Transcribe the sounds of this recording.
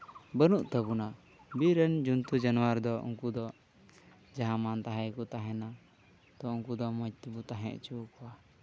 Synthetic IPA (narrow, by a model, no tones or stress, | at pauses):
bənuʔt̪əbuna | biɾənd͡ʒunt̪ud͡ʒanuwaɾd̪ɔʔṵŋkud̪ɔ | d͡ʒaɦamant̪aɦajkɔt̪aɦɛna | t̪ɔuŋkud̪ɔmɔd͡ʒt̪ibut̪aɦɛ̰̃ʔt͡ʃukɔwa